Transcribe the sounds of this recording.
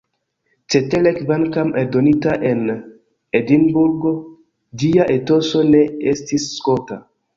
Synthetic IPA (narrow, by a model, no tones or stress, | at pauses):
t͡ʃetelekbankamedonitaʔen | edinbuɾɡo | diaʔetosoneestisːkota